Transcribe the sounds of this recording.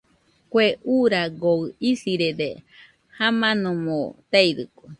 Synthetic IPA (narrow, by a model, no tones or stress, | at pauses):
kweʔuɾaɡoɨisiɾede | hamãnõmot̪eiɾɨ̰ko